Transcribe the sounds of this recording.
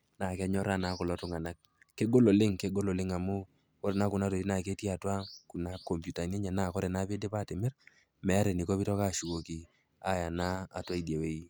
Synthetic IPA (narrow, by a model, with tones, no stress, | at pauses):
na˨kɛ˦ɲɔ˦ɾa˦na˨˦kʊ˨lɔ˨˦tʊ˦ŋa˨na˦k̚ː | e˦ɡo˦lo˨lɪ˦ŋke˦ɡo˦lo˨lɪ˦ŋa˨mʊ˦ | kɔ˦ɾɛ˨na˨˦kʊ˨na˦to˨i˦na˨ke˦ti˦a˨twa˦ku˨na˦ko˨mpju˨ta˨ne˦ɲɛ˨na˦˨kɔ˦ɾɛ˨na˦pe˦de˦pa˦˨te˨mɪ˦r | mɛ˨a˦ɾɛ˨ni˨kɔ˦pi˦tɔ˦ka˦˨ʃu˨ko˨ki˨ | a˦ja˨na̰ː˦˨twa˦i˨dje˨we˦i˦